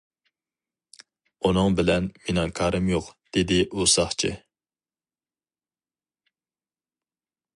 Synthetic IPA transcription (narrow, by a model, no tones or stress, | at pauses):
unɨŋbɪlɛnmenɑŋkʰɑːɾɨmjoqd̪̥ed̪ɪʔusɑχt͡ʃʰḭ